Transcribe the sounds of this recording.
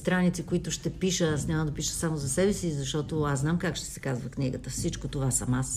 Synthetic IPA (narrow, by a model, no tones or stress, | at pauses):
st̪ɾanit̪sikoit̪ʊʃt̪ɛpiʃəsnʲavəd̪ɐpiʃə̥samʊzɐsɛbɛsizɐʃt̪ɔt̪oasnamkakʃt̪ɛ̥sɛkazvəkniɡə̰t̪əfsit͡ʃkot̪ovasɐmas